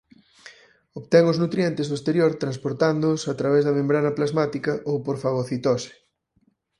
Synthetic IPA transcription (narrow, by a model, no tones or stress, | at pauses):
oβt̪ɛŋʊznut̪ɾjɛnt̪ɪzðoest̪eɾjoɾt̪ɾãnspoɾt̪and̪ʊsat̪ɾaβɛzðɐmẽmbɾanɐplazmat̪ikɐʔowpoɾfaɣoθit̪osɪ̥